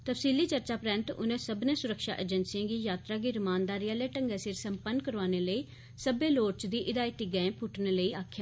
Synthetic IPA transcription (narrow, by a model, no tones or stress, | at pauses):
t̪əfsiːliːt͡ʃəɾt͡ʃaːpɾɛ̃nt̪ʊ̰nẽːsəbnẽːsʊɾəkʃa̰ːʔeːd͡ʒənsiãːɡiːjaːt̪ɾaːɡiːɾəmãːnd̪aːɾijaːleːʈəŋɡaːsɪɾsəmpənkəɾʋaːneːləiː | səbeːloːɾt͡ʃd̪iːʔɪd̪aːit̪iːɡɛ̃ːpʰʊʈnẽːləiːaːkʰjaː